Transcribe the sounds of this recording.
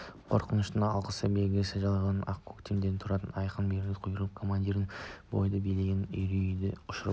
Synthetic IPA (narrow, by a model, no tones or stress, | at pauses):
qʰo̞̰ɾqənəʃt̪əɑlˠqəsəbe̞lɡʲesɪʒɑlˠɑʁɑnɑ̰qkʰːokt̪ʰemd̪eɾnt̪ʰʊɾɑt̪ənɑjqənbeɾɪlʲɪqʰʊjəɾlˠəp̚kʰo̞mand̪ʲiɾənbo̞jd̪əbeleɡʲɪnejɾejd̪ɪ̰ʊʃəɾ